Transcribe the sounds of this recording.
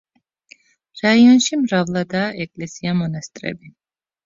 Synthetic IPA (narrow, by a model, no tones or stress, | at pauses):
ɾaianʃimɾavlˠad̪aːʔɛkʼlɛsiamɔnast̪ʼɾɛ̰bi